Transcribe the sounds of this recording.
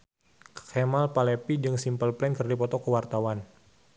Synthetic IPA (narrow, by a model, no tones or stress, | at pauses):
kʰɛmalpalɛpid͡ʒɨŋsimpəlplɛnkərdipɔt̪ɔkəwart̪awan